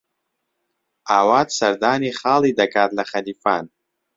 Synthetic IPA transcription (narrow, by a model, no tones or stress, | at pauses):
aːwaːt̪sɐɾd̪aːniːχaːliːd̪ɐkaːt̪lɐχɐliːfaːn